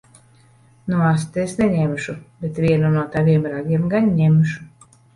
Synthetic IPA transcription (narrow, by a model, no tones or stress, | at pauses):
nuas̬t̪esneɲɛmʃubet̪vʲiɛnunuɔt̪avʲiɛmɾaɡʲiɛmɡanɲemʃu